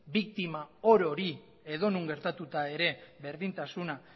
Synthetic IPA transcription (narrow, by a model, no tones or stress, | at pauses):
bik̚t̪imao̞ɾo̞ɾi | e̞ðo̞nuŋɡe̞ɾt̪at̪ut̪ae̞ɾe̞βe̞ɾðint̪asuna